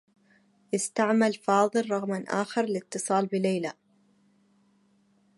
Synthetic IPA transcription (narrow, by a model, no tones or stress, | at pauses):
ʔɪst̪aʕmalfɑːðˤɨlɾˤɑɣmanʔa̰ːxɑɾˤlɪt̪ːɨsˤɑːlbɪlajla